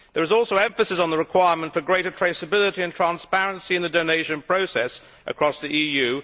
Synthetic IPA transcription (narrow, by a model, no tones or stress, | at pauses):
ðə˞ɨzɔˑlˠsoʊɛ̃ɱfəsɪzn̩ðəɹɨkʰw̥aɪəmə̃ntfə˞ɡɹeɪɾətʰɹ̥eɪsəbɪlˠɪɾiɨ̃ntʰɹ̥æ̃nspæɹə̃nsiɨ̃nðɨdoʊneɪʃɨ̃npʰɹ̥oʊsɛs | ʔə̰kʰɹ̥ɒsðiʔijʉ